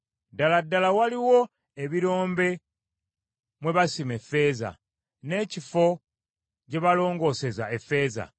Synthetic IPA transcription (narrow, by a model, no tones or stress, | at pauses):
daladːalawaliwo̞ | eβiɾo̞ːmbe̞ | mwe̞βasime̞fe̞ːza̰ | ne̞ːcifo̞ | ce̞βalo̞ːŋɡo̞ːse̞zae̞fe̞ːza̰